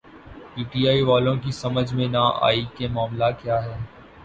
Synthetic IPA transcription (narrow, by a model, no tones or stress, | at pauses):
piːʈiːaːiʋaːlõk̬isɐməd͡ʒʱmẽnaʔa̰ːikemaːmlakjaːɦɛː